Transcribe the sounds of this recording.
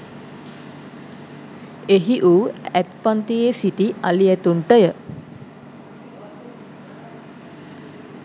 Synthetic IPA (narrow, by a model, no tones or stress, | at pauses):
eɦiʔuːæt̪pant̪ijesiʈialiɛt̪uɳʈəjə